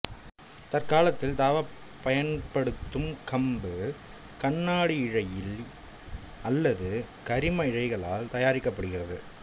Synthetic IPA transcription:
t̪ɐrkaːlɐt̪ːɪlt̪aːʋɐ | pːɐjɐnpɐɽɯt̪ːɯmkɐmbɯ | kɐɳːaːɽiɪɻɐjɪl | ɐlːɐðɯ | kɐɾɪmɐɪɻɐɪɣɐɭaːlt̪ɐjaːɾɪkːɐpːɐɽɯɣɪrɐðɯ

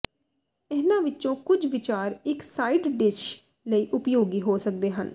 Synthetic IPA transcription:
ɛːnãːʋɪt͡ʃõːkʊd͡ʒʋɪt͡ʃaːɾɪksaːiːɖɖɪʃ | ləiːʔʊpjoːɡiːɦoːsək̚d̪eːɦən

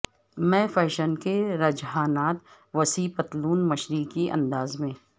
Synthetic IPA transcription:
mɛ̃ːfɛːʃənkeɾɐd͡ʒɦaːnaːt̪̚ | ʋɐsiːpət̪luːnmɐʃɾikiʔɐ̰̃nd̪aːzmẽː

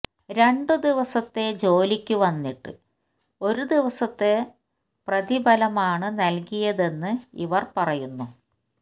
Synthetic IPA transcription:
ɾe̞ɳɖɨd̪iʋɐsɐt̪ːe̞d͡ʑo̞ːlikʲːuʋɐnːiʈːɨ̰ | o̞ɾud̪iʋɐsɐt̪ːe̞ | prɐðibʱɐlɐmaːɳɨnɐlkijɐðe̞nːɨḭʋɐrpɐrɐjunːu

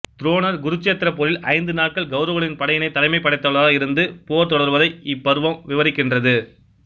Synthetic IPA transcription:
t̪ɾoːnɐɾɡʊɾɯt͡ʃːeːt̪ːɪɾɐpoɾɪlʔɐ̰ɪnd̪ɯnaːʈ̚kɐɭɡɐʊɾɐʋɐɭɪnpɐɽɐjɐnɐɪt̪ːɐlɐɪmɐɪpːɐɽɐɪt̪ːɐɭaːɐɪɾɯnd̪ɯpoːɾt̪ɔɽɐɾʋɐðɐɪɪpːɐɾɯʋɐmʋɪʋɐɾɪkːɪndrɐðɯ

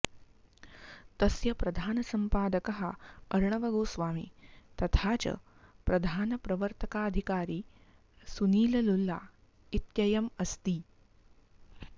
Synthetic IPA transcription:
t̪ɐsjɐpɾɐd̪ʱaːnɐsɐmpaːd̪ɐkɐɦɐɐɾɳɐʋɐɡoːsʋaːmḭt̪ɐt̪ʰaːt͡ʃɐ̰ | pɾɐd̪ʱaːnɐpɾɐʋəɾt̪ʰɐkaːɐd̪ʱikaːɾiː | suniːlɐlulːa̰ | it̪jɐjɐmɐst̪iː

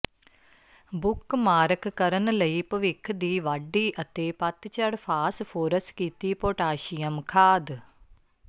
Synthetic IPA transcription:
bukːmaːɾɐkɨkɐɾɐnɨlɐjpɨʋikʰːɨd̪iːʋɐɖːiːʔɐt̪eːpɐt̪ːt͡ʃɐɽfaːsfoːɾɐskit̪ːiːpoːʈaːʃijɐmkʰaːd̪

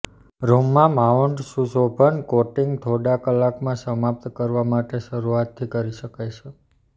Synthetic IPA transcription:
ɾomːãmauɳɖsusobʱəɳkoʈiŋɡt̪ʰoɖakəlːakmãsəmap̚t̪kəɾʋamaʈeʃəɾuat̪ʰːikəɾiʃəkajt͡ʃʰe

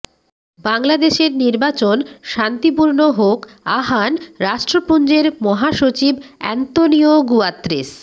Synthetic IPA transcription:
baŋlad̪eʃeɾniɾbat͡ɕonʃant̪ipuɾnoɦok | aɦanɾaʃʈɾopund͡ʑeɾmɔɦaʃot͡ɕibɛ̰nt̪onioɡuat̪ːɾḭs

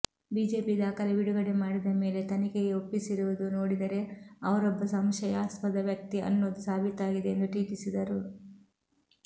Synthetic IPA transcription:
biːd͡ʒe̞ːpid̪aːkɐleʋiɽuɡɐɽe̞maːɽid̪ɐme̞ːle̞t̪ɐnikeɡeopːisiɾuʋud̪unoːɽid̪ɐɾe̞ɐʋɐɾɔbːɐsɐmʃɐjaːspɐd̪ɐʋjɐk̚t̪iʔɐ̰nːoːd̪usaːbʱit̪aːɡid̪eend̪uʈiːkisid̪ɐɾu

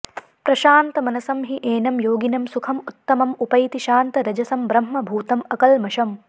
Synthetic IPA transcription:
pɾɐʃaːnt̪ɐmɐnɐsɐmɦiʔeːnɐmjoːɡinɐmsukʰɐmut̪ːɐmɐmupɐjit̪iʃaːnt̪ɐɾɐd͡ʒɐsɐmbɾɐm̤ːɐbʱuːt̪ɐmɐkɐlmɐʃɐm

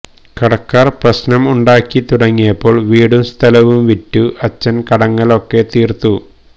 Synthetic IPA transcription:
kɐɽɐkːaːrprɐɕnɐmuɳɖaːkːit̪uɽɐŋːijɐpːo̞ːɭʋiːɽumst̪ʰɐlɐʋumʋitːuʔɐt͡ɕːɐnkɐɽɐŋːɐɭo̞kːe̞t̪iːrt̪u

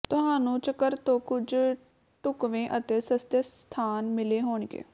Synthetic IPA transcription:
t̪ʊɦaːnũːt͡ʃəkəɾt̪õːkʊd͡ʒ | ʈʊkʋẽːʔət̪eːsəst̪est̪ʰaːnmɪleːɦoːɳɡḛː

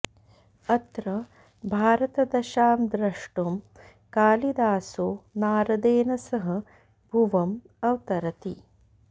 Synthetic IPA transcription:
ɐt̪ɾɐ | bʱaːɾɐt̪ɐd̪ɐʃaːmd̪ɾɐʂʈom | kaːlid̪aːsoːnaːɾɐd̪eːnɐsɐɦɐ | bʱuʋɐm | ɐwt̪ɐɾɐt̪i

